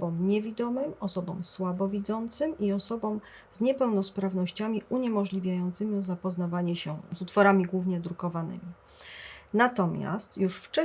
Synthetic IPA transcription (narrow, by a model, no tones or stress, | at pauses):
bɔmɲɛvʲid̪ɔmɘmɔsɔbɔ̰̃mswabɔvʲid̪zɔnt̪sɘmiɔsɔbɔ̃m | zɲɛpɛwnɔspɾavnɔɕt͡ɕamʲiuɲɛmɔʐlʲivʲjajɔnt̪sɘmʲiɔzapɔznavaɲɛɕɛzut̪fɔɾamʲiɡwuvɲɛd̪ɾukɔvanɘ̰mʲi | nat̪ɔmʲja̰st̪juʂft͡ʂɛ